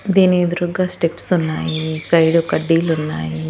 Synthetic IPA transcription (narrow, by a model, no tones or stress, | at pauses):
d̪eneːd̪ɾuɡasʈepsʊnːaːisɐjɖokɐɖiːlunːa̰ːi